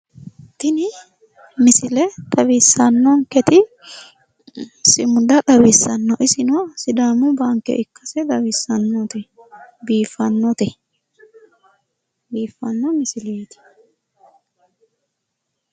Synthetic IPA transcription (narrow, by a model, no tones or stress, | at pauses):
t̪ɪnɪ | mɪsɪlɛt̪ɐβiːsːɐnːɔŋkɛt̪ɪ | sɪmʊd̪ɐt̪ɐβiːsːɐnːɔʔɪsɪnosɪd̪aːmʊbaːŋkːɛ̰ʔɪkːɐsɛd̪ɐbisɐnːot̪ɛbiːfːɐnːɔt̪ɛ | biːfːɐnːɔmɪsɪlɛt̪ɪ̥